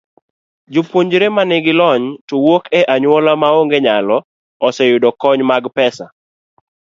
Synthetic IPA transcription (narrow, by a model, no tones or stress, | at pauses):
d͡ʒʊpwoɲd͡ʒɾemanɪɡɪlɔɲtowokʰɛʔaɲwɔlamaoŋɡeɲalɔ | ɔsɛjʊdɔkɔɲmaɡpɛsa